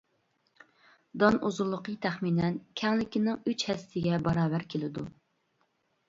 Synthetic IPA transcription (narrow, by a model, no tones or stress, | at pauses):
d̪ɑnuzʊɾlˠəqʰət̪ʰæχminɛnkʲʰɛŋlɪkʲinɪŋyt͡ʃhɛst̪ʰɪɡʲɛbɑɾɑːbæɾkʲʰelɪd̪u